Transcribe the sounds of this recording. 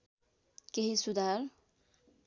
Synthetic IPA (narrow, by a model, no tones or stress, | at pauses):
keɦisud̪aɾ